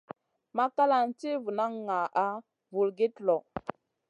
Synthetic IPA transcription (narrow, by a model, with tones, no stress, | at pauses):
ma˦ka˦la˨n˦ti˦vu˨na˦ŋːa˨ʔa˦ | vu˨lɡe˦tlɔ˨